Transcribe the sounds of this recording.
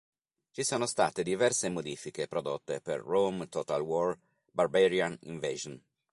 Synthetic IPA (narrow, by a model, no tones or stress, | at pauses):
t͡ʃisoːnost̪a̰ːt̪ed̪ivɛrsemod̪iːfikepɾod̪ot̪ːepḛrːomt̪ɔːt̪alwɔr | barbɛɾianḭɱveːʒon